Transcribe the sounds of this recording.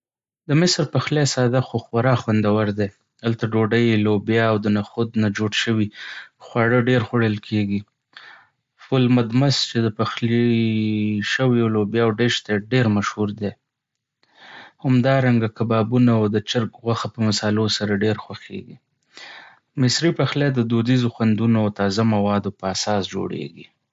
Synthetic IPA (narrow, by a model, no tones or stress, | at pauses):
d̪əmɪsɾpaxlesɑd̪axoxwaɾɑxwand̪awaɾd̪e | alt̪aɖoɖəjlobjɑawd̪ənaxud̪nad͡ʒoɽʃəwixwɑɽəɖeɾxaɽəlkʰeɡi | fʊlmad̪mast͡ʃed̪əpaxli | ʃəwjolobjawɖeʃt̪eɖeɾmaʃhuɾd̪e | hamd̪ɑɾaŋɡakabɑbunawd̪ət͡ʃɪɾkɣwaxapəmasɑlosaɾaɖeɾxwaxḛɡi | mɪsɾipaxled̪əd̪od̪izoxwand̪unoawt̪ɑzamawɑd̪opəasɑsd͡ʒo̰ɽḛɡi